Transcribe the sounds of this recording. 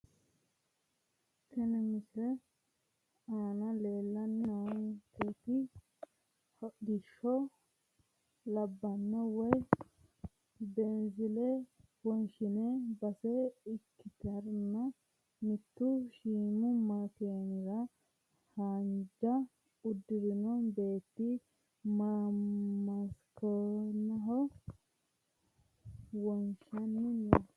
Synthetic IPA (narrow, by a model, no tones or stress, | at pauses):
kɛnɛmɪsɾɛ | aːnɐle̞ːlːɐnːɐwket̪ɪ | hɔd̪ɪʃːɔ | lɐbːɐnːɐwɔj | bɛnzɪlɛwɔnʃɪnɛbɐsɛɪkʰːɪt̪ɐɾnːɐ | mɪt̪ːʊʃiːmʊmɐkenɪɾɐ | haːnd͡ʒɐ | ʊd̪ːɪɾɪnɔbe̞ːt̪ːɪ | mɐmɐskɔnɐɦɔ | wɔnʃɐnnː